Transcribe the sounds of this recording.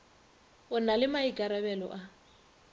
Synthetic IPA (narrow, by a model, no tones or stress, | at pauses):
ʊnalɪmaiɡʱʼaɾabɛlɔ̰ʔa